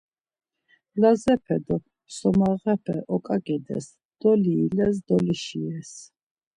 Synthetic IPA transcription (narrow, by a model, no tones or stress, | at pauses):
lazɛpʰɛd̪ɔ | sɔmaʁɛpʰɛ̰ʔɔkʼaɡid̪ɛ̰s | d̪̥ɔliːlɛs̬d̪ɔliʃiɛs